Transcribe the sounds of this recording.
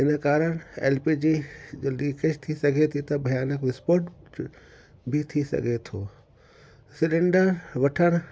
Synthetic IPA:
ɦɪnə̆kaːɾəɽ̃ḛːlpid͡ʑid͡ʑoːliːked͡ʒt̪ʰisɐɡʱet̪ʰit̪ɐbʱɐjaːnəkʋɪspoːɾʈ | bʱit̪ʰisɐ̰ɡʱet̪ʰoː | sɪlɪ̃ɳɖəɾʋɐʈʰəɽ̃

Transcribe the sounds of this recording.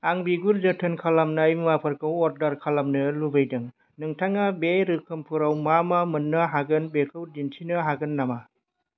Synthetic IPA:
aŋbiɡuɾzɯtʰɯnkʰalamnajmmapʰɐɾkʰawɔɾdaɾkʰalamnɯlubajdɯŋ | nɯŋtʰaŋabeɾɯkʰɯmpʰɯɾawmamamɐnːɐɦaɡɯnbekʰɯwdintʰinɯɦaɡɯnːama

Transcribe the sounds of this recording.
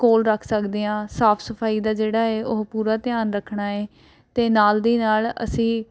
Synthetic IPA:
koːlɾəkʰsəkd̪eːãːsaːpʰsəpʰaːiːd̪aːd͡ʒeːɽaːeːʔʊɦpuːɾaːt̪ɪjaːnɾəkʰːɳaːeː | t̪eːnaːld̪iːnaːlə̰sĩː

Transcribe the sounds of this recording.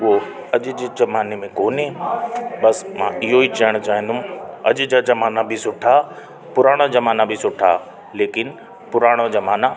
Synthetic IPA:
ʊɦo | ɐʄʊ̆d͡ʑzɐmaːnemẽkoːnẽ | bɐsmã̰ɪɦoit͡ɕɐəɽ̃t͡ɕaːɦɪ̃nd̪ʊ̃ɐʄd͡ʑaːd͡ʑɐmaːnabʱɪsʊʈʰa | pʊɾaːɽ̃ad͡ʑɐmaːnabʱɪisʊʈʰa̰ | leːkɪn | pʊɾaːɽ̃ad͡ʑɐmaːna

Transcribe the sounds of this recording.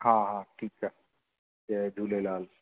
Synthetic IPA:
hãɦãʈʰiːkɦɛ | d͡ʒed̪ʱulelaːl

